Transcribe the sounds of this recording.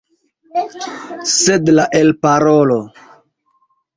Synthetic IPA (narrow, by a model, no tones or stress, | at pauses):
sedlaʔelpaɾolo